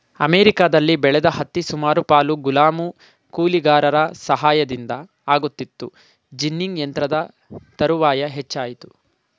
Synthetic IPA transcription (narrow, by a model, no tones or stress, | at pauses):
ɐ̰meːɾikaːd̪ɐlːibɛɭɛd̪ɐhɐt̪ːisumaːɾupaːluɡulaːmu | kuːliɡaːɾɐɾɐsɐɦaːjɐd̪ind̪ɐ | aːɡut̪ːit̪ːu | d͡ʒinːiŋɡjɐnt̪ɾɐd̪ɐ | t̪ɐɾuʋaːjɐɦet͡ʃːaːjit̪u̥